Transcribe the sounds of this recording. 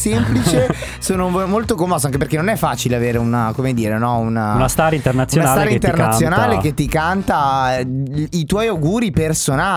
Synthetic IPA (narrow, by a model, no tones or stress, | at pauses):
semplit͡ʃe | soːnomolt̪okomːɔːs̬oaŋk̬ep̬erkenonɛfːaːt͡ʃileaveːɾeunakomed̪iːɾenɔunanast̪aːɾaint̪eɾnat̪sujonanasːɾaiit̪ernatsːjonaːleket̪ːikant̪a | it̪wɔjawɡuːɾipersona